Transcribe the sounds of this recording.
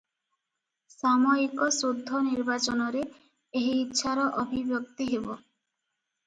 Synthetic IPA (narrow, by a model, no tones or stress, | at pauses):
samɔikɔsod̪ʱːɔniɾbat͡ʃɔnɔɾe | eɦiːt̪ːʃʰaɾɔʔɔbʱibjɔkt̪iɦebo